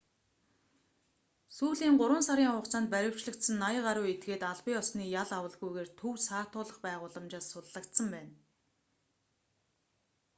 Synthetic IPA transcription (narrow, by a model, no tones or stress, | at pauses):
suːɮiːŋɢʊɾwə̆nsaɾʲiːŋχʊqt͡saːnt̪̚pæɾʲɪ̆w̥t͡ɕɮə̆kt̪sə̆nːajə̆ɢaɾʊːet̪̚ɡeːt̪aɮpiːɔsniːjaɮawə̆ɮɣujɣeːrt̪ʰɵwsaːt̪ʊːɮə̆χpæːʁʊːɮə̆mt͡ɕaːsːʊɮːə̆kt̪sə̆mpæːn